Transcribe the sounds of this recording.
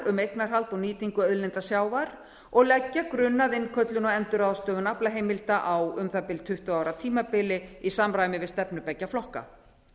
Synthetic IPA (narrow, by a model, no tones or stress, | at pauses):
ʏmejknar̥ɦalt̪ɔɣniːt̪iŋkʏœðlɛnt̪asjaːwvaɾ | ɔɣlɛcːakɾʏnːaðɪnːkʰœt̪lʏnɔɛnt̪ʏɾaðst̪œːɣʏnaplaɦeːjmɪlt̪aʔawʏmθapɪlt̪ʰʏht̪ʏaːwɾat̪ʰiːmapɪlɪisamɾaːjmɪvɪðst̪ɛpnʏpɛcːaflɔhka̰